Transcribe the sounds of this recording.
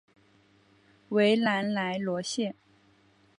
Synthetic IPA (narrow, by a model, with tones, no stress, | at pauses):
we˧˥ɪla˧˥nla˧˥ɪlwɔ˧˥ɕjɛ˥˩n